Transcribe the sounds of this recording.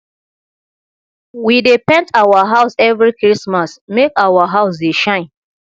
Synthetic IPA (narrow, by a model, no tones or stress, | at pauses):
widepɛ̃ntawaɦaʊsɛvɹikɹismasmekawaɦaʊs̬deʃãɪ̃n